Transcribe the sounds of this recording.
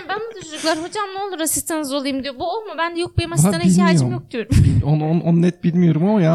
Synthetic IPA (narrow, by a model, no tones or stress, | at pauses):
bænbud̪uʃd͡ʒuklˠaɾɦo̞d͡ʒamnˠeolˠuɾasist̪ʰenizo̞lˠajumd̪ijobuolˠmubænd̪ɛjok̚bemasaanailt̪ʲimaiajoɯɾmjok̚d̪yjo̞ɾumonononnɛt̪̚bilʲmijo̞ɾumamajaː